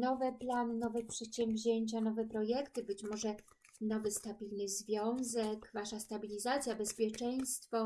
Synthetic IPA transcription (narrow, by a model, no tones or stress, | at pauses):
nɔvɛplanɘnɔvɛpʂɛt̪ɕɛmvʲʑeɲt͡ɕanɔvɛpɾɔjɛkt̪ɘbɘt͡ɕmɔʐɛ | nɔvɘst̪abʲilnɘzvʲjɔ̃w̃zɛkvaʂast̪abʲilʲizat̪sʲjabɛspʲjɛt͡ʂɛj̃st̪fɔ